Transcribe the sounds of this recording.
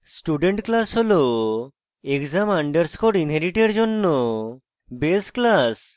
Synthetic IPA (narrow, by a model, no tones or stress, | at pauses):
sʈuɖeɳʈklasɦolo | ekzamaɳɖeɾskoɽinɦeɾiʈeɾd͡ʒonːɔ | besklas